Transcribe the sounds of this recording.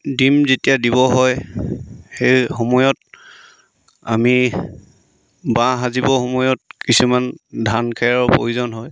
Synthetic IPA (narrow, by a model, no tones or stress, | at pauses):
dimzetijadibɔɦɔj | xejxomɔjɔt | a̰mi | bãɦazibɔxomɔjɔt̚kisumandʱankʰɛɹɔpo̰juzɔnɦɔj